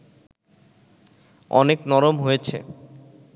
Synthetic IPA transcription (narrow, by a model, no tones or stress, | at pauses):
ɔ̰neknɔɾomɦojet͡ɕʰḛ